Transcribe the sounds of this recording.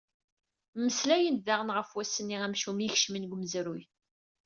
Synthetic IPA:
məslæjənðæʁənʁəfwæsːənːiʁæmʃuməçʃminɡʷməzɾuj

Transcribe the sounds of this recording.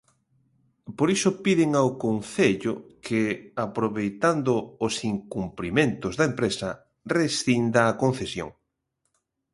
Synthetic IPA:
poɾisʊpiðɪŋawkonθeʎʊkʰɪapɾoβejt̪and̪ʊːsiŋkumplimẽnt̪ʊzðɐempɾesɐ | resθind̪aːkon̟θesjo̰ŋ

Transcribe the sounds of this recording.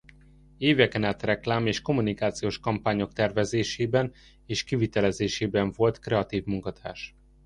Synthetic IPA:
eːvɛkɛnaːt̪rɛklaːmeːʃko̞munikaːt̪sijoːʃkɒmpaːɲo̞k̚t̪ɛrvɛzeːʃeːbɛn | eːʃkivit̪ɛlɛzeːʃeːbɛɱvo̞lt̪krɛɒt̪iːvmuŋkɒt̪ʰaːʃ

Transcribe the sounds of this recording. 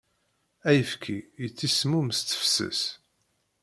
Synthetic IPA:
æjəfkʰijət͡sːismumst͡s̪ːə̥fsə̰s

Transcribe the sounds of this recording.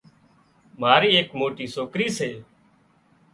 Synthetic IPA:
maːɾiːeːkmoːʈiːsoːkɾiːseː

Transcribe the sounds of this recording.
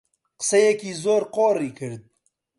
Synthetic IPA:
qsɐjekizoːɾqoːɾikʰəɾd̪̚

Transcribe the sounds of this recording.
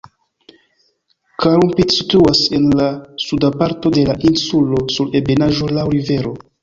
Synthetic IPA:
kaɾumpitsituase̞nlasudapaɾto̞de̞laʔinsulo̞suɾe̞be̞naʒo̞lawɾive̞ɾo̞

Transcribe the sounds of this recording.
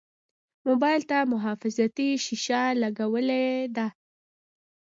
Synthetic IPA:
mobɑjlt̪amʊɦɑfɪzat̪iʃiʃalaɡawəled̪a

